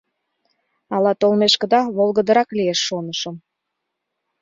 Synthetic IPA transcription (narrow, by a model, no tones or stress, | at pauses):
ɑlɑt̪olmeʃkə̆d̪ɑβolˠɣəd̪əɾɑklieʃːonəʃəm